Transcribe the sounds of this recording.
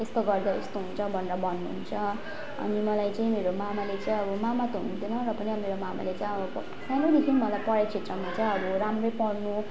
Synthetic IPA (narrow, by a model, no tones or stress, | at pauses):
est̪oɡʌrd̪aest̪oɦunt͡sʰʌbʱʌnrʌbʌnːuɦṵnt͡sʰʌ | ʌ̰nimʌlajt͡saĩmeɾomamalet͡saĩʌbʌmamat̪oɦunt̪inʌrʌpʌniʌmeɾomama̰let͡saj̃ʌbʌpʌ | sanod̪ikʰinimʌlajpʌɾajt͡sʰet̪rʌmat͡saj̃ʌɾuɾamrʌjpʌrnu